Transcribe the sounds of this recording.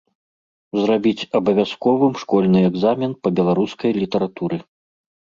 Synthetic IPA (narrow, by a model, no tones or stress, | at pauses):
zrabʲit͡sʲɐbɐvʲaskɔvɨmʂkɔlʲnɨɛɡzamʲɛnpɐbʲɛlˠaɾuskɐjlʲit̪ɐɾat̪uɾɨ